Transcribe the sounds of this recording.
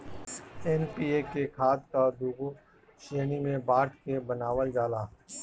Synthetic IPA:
ɛnpiːeːkekʰaːd̪kad̪uːɡo | ʃeːnimẽbaːɾʈkebənaːʋəld͡ʒaːlaː

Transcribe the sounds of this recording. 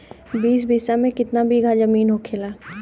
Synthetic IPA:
biːs̬bʱiːsamẽkɪt̪nabʱiɡʱad͡ʒɐmiːnɦokʰeːlaː

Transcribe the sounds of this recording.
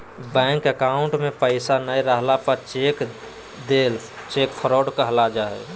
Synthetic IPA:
bɛ̃ːŋkəkaːʊ̃ɳʈmẽpəɪsanəjɾəɦlapət͡ʃek | d̪eːl | t͡ʃeːkfʰəɾɔːɖkəɦlad͡ʒaɦɛ̰

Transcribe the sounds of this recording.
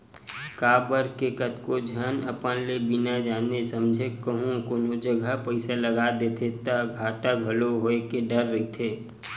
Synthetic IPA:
kaːbəɾkekət̪kod͡ʒʱənəpənlebɪnad͡ʒaːnesəmd͡ʒʱekːəɦũkoːnod͡ʒəɡʱapəɪsaləɡad̪et̪ʰet̪aɡʱaːʈaɡʱɐloɦoekeɖəɾːit̪ʰeː

